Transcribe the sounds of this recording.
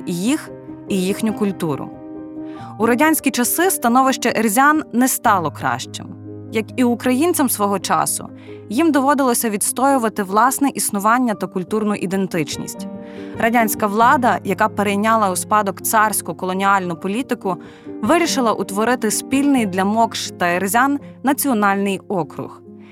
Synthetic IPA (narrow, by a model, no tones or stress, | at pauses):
jix | ijixnʲʊkʊlʲt̪uɾʊ̰ | uɾɐdʲanʲsʲkʲit͡ʃɐsɪst̪ɐnɔʋɪʃt͡ʃɛʔerzʲanːɛst̪ɑlˠɔkɾɑ̰ʃt͡ʃɪ̰m | jɐkiʊkɾɐjint͡sʲɐmsʋɔɦɔt͡ʃɑ̰sʊ̰ | jimd̪ɔʋɔd̪ɪlˠɔsʲɐʋʲid̪st̪ɔjʊʋɐt̪ɪʋlˠɑsnɛʔisnʊʋɑnʲːɐt̪ɐkʊlʲt̪urnʊʔid̪ent̪ɪt͡ʃnʲḭsʲtʲrɐdʲanʲsʲkɐʋlˠɑd̪ɐjɐkɑpeɾejnʲɑlˠɐuspɑd̪ɔkt̪sɑrsʲkʊkɔlˠɔnʲiɑlʲnʊpɔlʲit̪ɪkʊ | ʋɪɾʲiʃɪlˠɐʔʊt̪ʋɔɾɪt̪ɪspʲilʲnɪjd̪lʲɐmɔkʃt̪ɐerzʲanːɐt͡sʲiɔnɑlʲnɪjɔkɾʊ̰x